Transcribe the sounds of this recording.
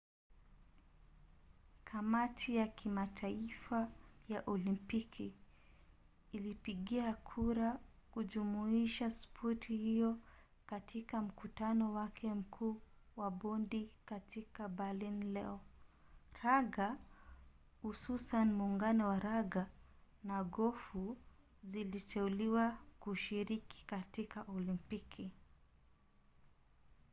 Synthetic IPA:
kʰamatʰijakʰimatʰaifajaʔɔlimpikʰi | ilipiɠiakʰuɾa | kuʄumuiʃaspʰɔtʰihijɔ | katʰikam̩kutanɔwakʰɛm̩kʰuːwaɓɔndikatikabalinlɛɔ | ɾaɡa | hususanimuːŋɡanɔwaɾaɡa | naɡɔfu | zilitɛuliwakuʃiɾiki̥katikaʔɔlimpikʰi

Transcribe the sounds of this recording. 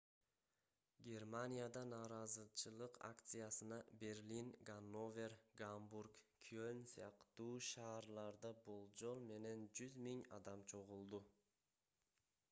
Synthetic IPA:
ɡʲe̞rmanʲijad̪ɑnɑːɾɑzɯt͡ʃʰɯlˠɯqʰa̰kt̪sɨjasɯnɑbe̞ɾʲlʲinɡanːo̞vʲe̞rɡambuɾkkʰiønsijɑqt̪uːʃɑːɾlˠɑɾd̪ɑbolˠd͡ʒo̞lˠme̞ne̞nd͡ʒyzmiŋɑ̰d̪ɑmt͡ʃʰo̞ʁulˠd̪u

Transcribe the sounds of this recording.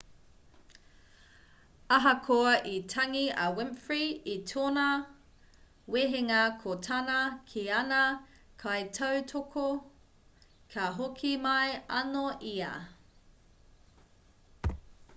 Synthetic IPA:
ɐɦɐkʰoɐʔitʰɐŋiɐwɪmfɹiitʰoːnɐ | weɦeŋɐkʰotʰɐnɐkʰiɐnɐ | kʰɐjtʰɐwtʰokʰo | kʰɐɦokʰimɐjɐnoʔiɐ̰

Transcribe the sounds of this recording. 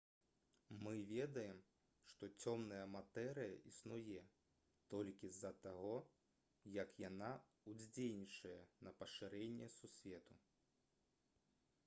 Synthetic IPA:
mɨvʲɛd̪ɐjɛm | ʂt̪ɔt͡sʲɔmnɐjɐmat̪ɛɾɨjɐ̰ʔisnujɛ | t̪ɔlʲkʲizɐt̪aɣɔ | jɐkjana | ud͡zʲd͡zʲelʲnʲit͡ʂɐjɐnɐpɐʂɨɾɛnʲːɛsusʲvʲɛt̪u

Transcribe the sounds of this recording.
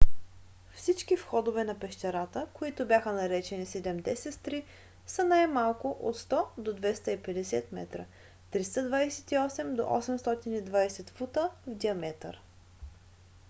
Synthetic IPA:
fsit͡ʃkifxɔd̪ovɛnɐpɛʃt̪ʲɛɾat̪əkoit̪obʲjaxənɐɾɛt͡ʃɛnisɛd̪ɛmd̪ɛsɛt̪t̪ɾi | sənajmalˠkʊʔo̰t̪st̪ɔd̪od̪vɛst̪əipɛd̪ɛsɛt̪mɛ̰t̪ɾə̰ | t̪ɾist̪əd̪vajsɛ̥t̪iɔsɛmd̪o̰ʔɔ̰sɛmst̪ɔt̪inid̪vajsɛt̪fut̪əvd̪ʲiɐmɛt̪ə̰ɾ

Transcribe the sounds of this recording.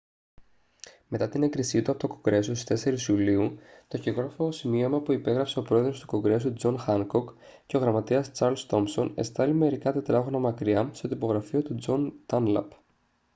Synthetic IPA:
me̞t̪ɐt̪ine̞kɾisit̪uɐpot̪okoɡɾe̞sost̪i̥st̪e̞se̞ɾisiuliut̪o̞çiɣoɾfoosimio̞mɐpuipe̞ɣɾɐpse̞o̞pɾo̞e̞ðɾo̞st̪u̥ko̞ɡɾe̞sut̪ud͡zo̞nxɐŋko̞k | ce̞o̞ɣɾɐmɐt̪iɐst͡sɐɾlst̪o̞mso̞ne̞st̪ɐlime̞ɾikɐt̪et̪ɾɐɣonɐmɐkɾiɐst̪o̞t̪ipo̞ɣɾɐfiot̪ud͡zo̞nt̪ɐnlɐ̰p

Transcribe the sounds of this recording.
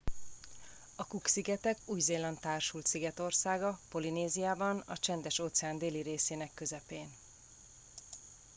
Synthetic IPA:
ɒkuksiɡɛt̪ɛkuːjzeːlɒnt̪aːrʃult̪siɡɛt̪o̞rsaːɡɒpo̞lineːzijaːbɒnɒ̰t͡ʃɛnd̪ɛʃoːt̪sɛaːnd̪eːliɾeːseːnɛkːø̞zɛpeːn

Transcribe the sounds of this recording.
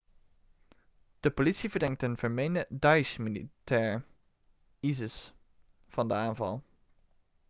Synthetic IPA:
d̥əpolitsivəɹdɛŋtənv̥əɹmejnədɑjsmilḭtɛːɹ | izəs | fɑndəaːnvɑ̰lˠ

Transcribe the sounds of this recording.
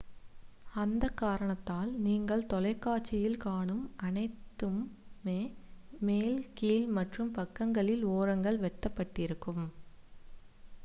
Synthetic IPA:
ɐnd̪ɐkːaːɾɐɳɐt̪ːaːlniːŋɡɐɭt̪ɔlɐɪkːaːt͡ʃːɪjɪlkaːɳɯmɐnɐɪt̪ːɯmːeːmeːlkiːlmɐʈrɯmpɐkːɐŋɡɐɭɪloːɾɐŋɡɐɭʋɛʈːɐpːɐʈːɪɾɯkːɯm

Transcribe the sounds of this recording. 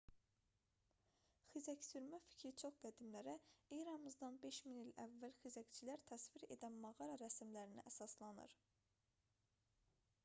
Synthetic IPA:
xizæcsyɾmæfi̥cʰɾit͡ʃʰo̞χɡæd̪imlæɾæijɾɑmɯzd̪ɑnbe̞ʃminilæ̰vːælxizæct͡ʃʰilæɾt̪ʰæsviɾe̞̰d̪ænmɑɣɑɾɑɾæsimlæɾiniʔæsɑslˠɑnɯ̰ɾ

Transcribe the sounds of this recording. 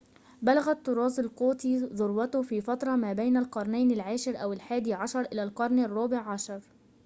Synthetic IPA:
balaɣat̪ːʊɾˤɑːzˤɑlquːt̪iːðˤʊɾwɑt̪ʊhfiːfɑt̪ɾˤɑmaːbajnalqɑɾˤnajnalʕaːʃɪɾʔawɪlħaːd̪iːʕɑʃɑɾˤʔɪlalqɑɾˤnarˤːɑːbɪʕːɑʃɑɾˤ

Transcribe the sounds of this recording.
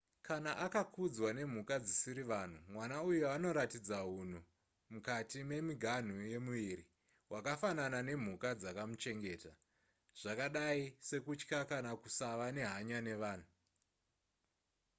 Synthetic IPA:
kʰanaʔakakud͡zwane̞m̤ukad͡zisiɾiʋan̤umwanaujuano̞ɾatid͡zaɦun̤u | mukatime̞miɡʱan̤uje̞muʋiɾi | wʔakafananane̞m̤ukad͡zakamut͡ʃe̞ŋɡe̞ːta | ʐ̥akaɗaise̞kut͡ʃkakanakusaʋane̞ɦaɲane̞ʋaːn̤u

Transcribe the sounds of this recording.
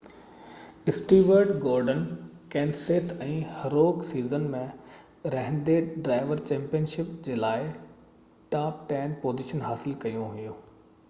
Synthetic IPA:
ɪsʈiːʋəɾɖɡoːɾɖən | kɛ̃ːnseːt̪ʰɛ̃ːhɐɾoːksiːzənmẽ | ɾɐɦɪ̃nd̪eːɖɾaːɪʋəɾt͡ɕɛ̃ːmpijənʃɪpd͡ʑeːlaːɪ | ʈaːp̚ʈɛːnpoːziʃənɦaːsɪlkɐjũɦʊjoː

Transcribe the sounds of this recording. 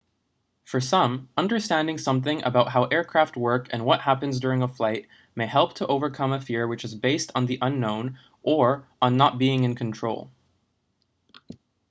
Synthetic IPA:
fə˞sʌ̃mʌ̃ndə˞stæ̃ndɪ̃ŋsʌ̃mθɪ̃ŋʔə̰baʊt̚ɦaʊʔɛɹkʰɹ̥æft̚wɜ˞kʰɨ̰̃nwʌʔ̚hæpɨ̃nzdʊɹɪ̃ŋəflaɪt̚ | meɪhɛlˠp̚tʰəʔoʊvə˞kʰʌ̃məfɪɹwɨt͡ʃɨzbeɪstn̩ðiʔʌ̃nːõʊ̃n | ʔə˞ə̃nːət̚b̥iɪ̃ŋɨ̃nkʰn̩tʰɹ̥oʊlˠ

